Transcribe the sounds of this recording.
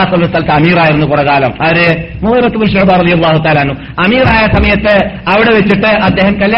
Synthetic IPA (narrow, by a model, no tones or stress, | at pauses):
sɐlːsalɐt̪ːɐmiːraːjiɾunːukuɽɐkaːlɐmɐɾɨ | muːɾɐt̪ːumɐnʂebaːrɐðijɐlːaːɦut̪aːlaːnːu | ɐmiːraːjɐsɐmɐjɐt̪ːɨɐʋiɽe̞ʋet͡ɕːiʈːɨɐd̪ːe̞ːɦɐmkɐlːja